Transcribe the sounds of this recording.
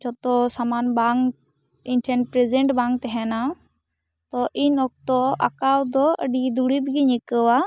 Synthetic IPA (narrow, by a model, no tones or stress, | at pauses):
t͡ʃɔt̪ɔsamanbaŋ | inʈʰɛnpɾezɛɳʈbaŋɡ̚t̪ɛɦɛna | t̪ɔʔinɔk̚t̪ɔʔa̰kawd̪ɔəɖid̪uɽibɡiɲikəwa